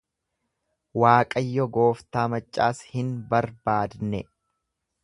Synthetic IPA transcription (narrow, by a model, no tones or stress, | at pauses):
waːkʼɐjːɔɡo̞ːft̪aːmɐt͡ʃʼːaːshɪnbɐɾbaːd̪nɛ